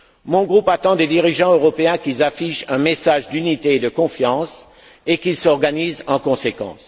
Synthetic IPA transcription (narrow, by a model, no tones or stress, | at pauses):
mɔ̃ɡʁupat̪ɑ̃d̪ed̪iʁiʒɑ̃øʁɔpeɛ̃kilzafiʃɛ̃mesaʒd̪ynit̪eːd̪əkɔ̃fjɑ̃s | ekilsɔʁɡanizɑ̃kɔ̃sekɑ̰̃s